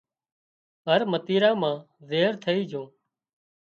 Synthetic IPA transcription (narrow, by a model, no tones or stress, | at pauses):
ɦəɾmət̪iːɾãːmãː | zeːɦəɾt̪ʰəiːd͡ʒʱõː